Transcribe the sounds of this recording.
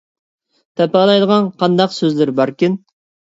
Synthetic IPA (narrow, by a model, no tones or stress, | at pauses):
t̪ʰɛpɑlˠɑjd̪əʁɑnqʰɑnd̪ɑqsøzlɪɾbɑɾkʲɪn